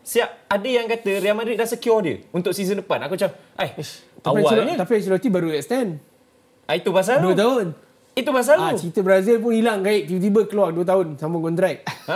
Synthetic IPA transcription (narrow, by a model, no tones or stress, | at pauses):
siap̚adəjaŋkat̪əɾialmadɾɪt̪̚dasəkiɔdjə̰unt̪ʊk̚sizəndəpanakut͡ʃaʔajt̪apiãwasɲət̪apians̬ulot̪ibaɾuɛkst̪ɛn | ait̪upas̬alduət̪̬aɦʊn | it̪upas̬alut͡ʃit̪əbɾazilp̬ʊnilaŋkaɪʔ̚pit̪ibəkːəluarduət̪̬aɦʊnsaməŋkɔnt̪ɾɛk̚